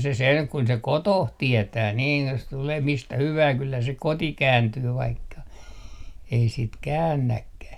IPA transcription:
se seŋ kun se kotoh tietæː niːn jos tuleː mistæ hyʋæː kylːæ se koti kæːntyː ʋɑikːɑ ei sit kæːnːækːæh

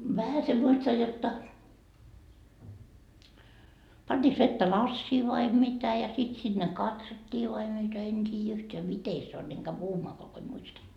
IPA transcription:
ʋæhæse muistɑj jotːɑ pɑntʲiːks ʋetːæ lɑsːiː ʋɑi mitæ jɑ sit sinːe kɑtsotːiː ʋɑi mitæ en tʲiːjæ yhteæ mite se on eŋ kæy puhumɑːkoɑ ko en muistɑ

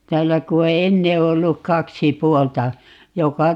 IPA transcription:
tæːlːæ ku o enːe olːu kɑksi puoltɑ jokɑ

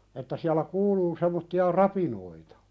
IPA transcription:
etːæ siælæ kuːluː semːotːiɑ rɑpinoitɑ

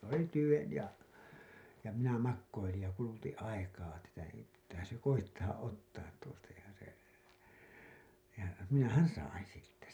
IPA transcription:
s oli tyʋen jɑ jɑ minæ mɑkːoilij jɑ kulutĩː ɑikɑː tætæ ei pitːæːhæ̃ː se koitːɑː ʔotːɑːt tuostɑ jɑ se jɑ minæhæn̞ sɑin̞ siːtːæ

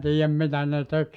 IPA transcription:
tiːjæm mitæ ne tek

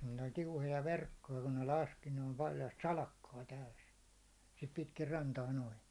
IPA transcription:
ne olʲ tiuhojɑ ʋerkːojɑ kun ne lɑski ne o̥l̥ pɑljɑst sɑlɑkːɑː tæys sit pitkir rɑntɑː noin

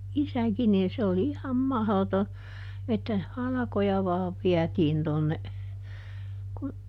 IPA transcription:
isækin niːn se oli ihɑm mɑhloto etːæ hɑlɑ̆kojɑ ʋɑːʋ ʋiætiːn tonːe kun

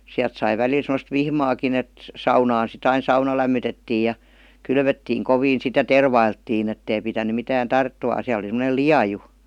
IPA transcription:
siælt sɑi ʋælil semə̆st ʋihmɑːkin et sɑunɑːn sit ɑin sɑunɑ læmːytetːiː jɑ kylʋøtːiːŋ koʋiːn sit jɑ terʋɑiltːiːn etːei pitæny mitæːn tɑrtːumɑˑn̞ siæl oli semə̆nel liɑju

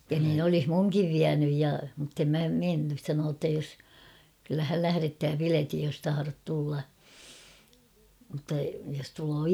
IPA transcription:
jɑ niːn olih muŋkiʋ ʋiænyj jɑ mutːem mæ menːys sɑnoː tːɑ jos kylːæ hæl læhæretːæː piletij jos tɑhɑrot tulːɑ mŭtːɑ jos tuloː

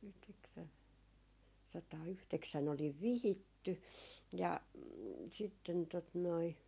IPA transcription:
sɑtɑːyhteksæn oliʋ ʋihitːy jɑ sitːen tot noi

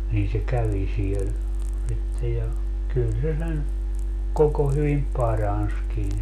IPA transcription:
niːn se kæʋi siel sitːe jɑ kyl se sen koko hyʋim pɑrɑnskin

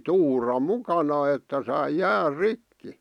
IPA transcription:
tuːrɑ mukɑnɑ etːæ sɑi jæːr rikːi

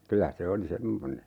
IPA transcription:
kylæ se oli semːone

